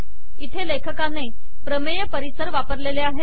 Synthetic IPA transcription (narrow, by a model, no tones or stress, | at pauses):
it̪ʰelekʰəkane | pɾəmejəpəɾisəɾʋapəɾleleaɦe